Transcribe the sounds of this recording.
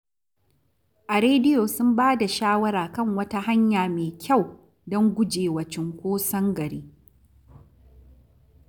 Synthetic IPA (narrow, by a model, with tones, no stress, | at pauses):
ʔa˨ɾeː˦dɪ˦joː˨sʊ˦mbaː˦da˨ʃaː˦wɐ˦ɾaː˨kɐ˦˨ŋwɐ˦ta˦ɦa˦ɲjaː˨meː˨kʲʰa˦˨w | dɔ˦ŋɡʷʊ˦d͡ʒeː˨wɐ˨t͡ʃɪ˦ŋkʷoː˦sɐ˦ŋɡɐ˨ɽiː˦